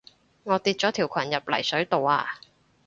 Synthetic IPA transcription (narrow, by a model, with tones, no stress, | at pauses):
ŋɔː˨˧t̪iː˨˧t̚t͡ʃɔː˨˥t̪ʰiː˨˩wkʷʰɐ˨˩njɐ˨p̚lɐ̰˨˩jsɵ˨˥ɥt̪o˨waː˧